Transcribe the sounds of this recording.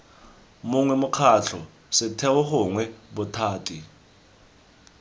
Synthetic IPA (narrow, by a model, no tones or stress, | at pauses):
muŋwɛmukʰaɬʰɔ | sɛtʰɛwɔhʊŋwɛɓɔtʰaːtʰʼi